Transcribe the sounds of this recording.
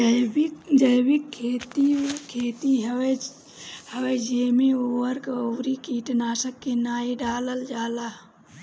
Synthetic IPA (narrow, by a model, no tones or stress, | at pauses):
d͡ʒəjbɪkʰːeːt̪ikʰeːt̪iɦe | həwed͡ʒeːmeuwəɾkoːɾikiːʈnaːsəkːenaːiɖaːləld͡ʒaːla